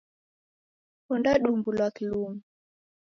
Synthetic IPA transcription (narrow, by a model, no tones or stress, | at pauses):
kɔndaɗumbulwakilumu